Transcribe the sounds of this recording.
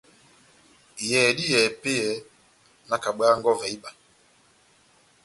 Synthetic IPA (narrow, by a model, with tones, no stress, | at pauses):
jɛː˨di˦jɛː˨pe˦jɛ˨˦ | na˦ka˨ɓaː˦ŋɡɔ˦vɛ˨i˦ɓa˨